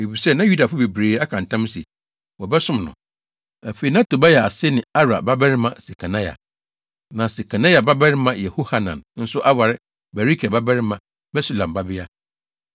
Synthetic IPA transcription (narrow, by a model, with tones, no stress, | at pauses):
e˨fi˨sɛ˦nã˦ju˦da˨fʊ˦be˨bɾeː˨˦a˦kʰã˨n̩˨tʰã˦m˦sḭ˨ | wɔ˨bɛ˦sʊ̃˦mnʊ̰̃˨ | æ˨fe˨i˨nã˦tʰo˨ba˦jɛ˨a˨sɪ˦nɪ̃˨a˦ɾa̰˨ba˦bɛ˦ɾɪ˦mã˨se˨kʰa˨nã˦ja̰˨ | nã˨se˨kʰa˨nã˦ja˨ba˦bɛ˦ɾɪ˦mã˦jɛ˨ho˦ha˨nã̰˨nn̩˦sʊ˦ʔa˦wa˨ɾɪ˦ | bɛ˨ɾi˦kʰɛ˨ba˦bɛ˦ɾɪ˦mã˨ | bɛ˦su˦lã˨mba˦bɪ˦a˦